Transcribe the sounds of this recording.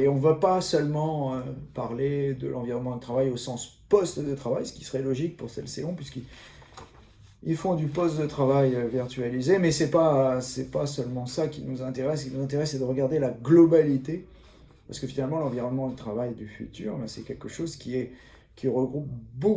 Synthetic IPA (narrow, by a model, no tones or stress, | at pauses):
eɔ̃vapasœlmɑ̃øpaʁled̪ə̰lʔɑ̃viʁɔnmɑ̃d̪ət̪χavajosɑ̃spɔst̪d̪ət̪χavajsə̥kʲi̥səʁɛlɔʒik̚puʁsɛ̰lseɔ̃pɥiski | ilfɔ̃d̪ypɔst̪̚d̪ət̪χavajøviʁt̪ɥalizemɛsɛpasɛpasœlmɑ̃sakʲinuzɛ̃t̪eʁɛskinuzɛ̃t̪eʁɛsːed̪əʁəɡaʁd̪elaɡlɔbalit̪e | paʁsəkəfinalmɑ̃lɑ̃viʁɔnmɑ̃d̪ət̪χavajd̪yfy̰t̪y̰ːʁbɛsɛkʲɛlkəʃozkʲiɛ | kʲiʁəɡʁup̚bo